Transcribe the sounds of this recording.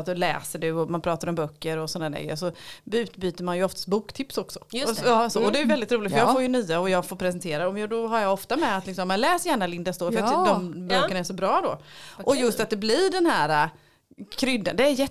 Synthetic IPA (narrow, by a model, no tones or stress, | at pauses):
t̪ɔlɛ̰ːsəɖɵɔmanpʰɾɑːt̪aɾɔmbœkːəɾɔsɔnd̪aɖ̪ɛ̰ɡə̰sɔbʉ̟ːt̪byːt̪əɾmanjɵɔft̪ḁst̪̚buːkt̪ʰɪpsɔksɔ̥ɑːsɔɔd̪ɛjʏvɛld̪ɪt̪ɾuːlɪt̪fəjɑfoːɾjɵnyːaɔjɑːɡfoːɾpʰɾɛsɛnt̪ʰeːɾaɔmjʊːd̪ɔɦaɾjɑɔft̪amɛat̪lɪksɔmːɛnlɛːsjæːɳalɪnd̪ast̪oːɾfœjat̪d̪ɔmbøːəɳaɛʂsɔbɾɑːd̪ɔ̰ʔɔjɵst̪at̪̚d̪ɛblɪɖɛnhæːɾa | kʰɾʏd̪ːə̰nd̪ɛːɾjɛ